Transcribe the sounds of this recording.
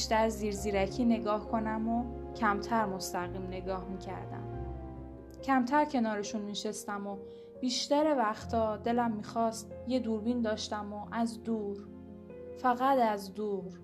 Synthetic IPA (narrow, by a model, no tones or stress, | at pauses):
ʃt̪æɾziːɾziːɾæcʰiːne̞ɡɒːhkʰo̞næmo | cʰæmt̪ʰæɾmost̪æɣiːmne̞ɡɒːhmiːcʰæ̰ɾd̪æ̰m | cʰæmt̪ʰæɾcʰe̞nɒːɾe̞ʃunmiʃe̞st̪æmo | b̥iːʃt̪æɾe̞væxt̪ʰɒːd̪e̞læmːiːxɒːst̪je̞d̪uːɾbiːnd̪ɒːʃt̪æmoʔæzd̪uːɾ | fæɣæd̪æzd̪uːɾ